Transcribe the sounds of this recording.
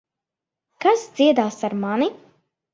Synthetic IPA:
kazd̪z̥iɛd̪aːsaɾmani

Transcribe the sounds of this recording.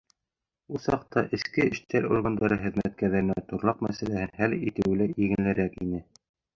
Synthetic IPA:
ulˠsɑq̚t̪ɑʔɘ̆skɘɘ̆ʃt̪æɾṵɾɣɑnd̪ɑɾɤχɘ̆ðmæt̪̚kæɾðæɾɘ̆næt̪ŭɾlˠɑqmæsælæhɘnhælit̪ɘ̆wlæʔiɡɘ̆nlɘ̆ɾækḭnɘ

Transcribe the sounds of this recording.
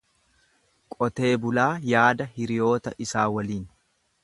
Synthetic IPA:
kʼɔt̪e̞ːbʊlaːjaːd̪ɐhɪɾɪjo̞ːt̪ɐʔɪsaːwɐliːn

